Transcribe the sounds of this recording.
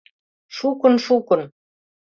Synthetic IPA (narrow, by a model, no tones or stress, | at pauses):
ʂukɤ̆nʃukɤ̆n